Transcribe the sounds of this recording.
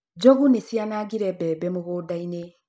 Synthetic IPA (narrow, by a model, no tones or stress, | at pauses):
d͡ʒɔɣunesianaɡiɾɛbɛbɛmoɣoːdaine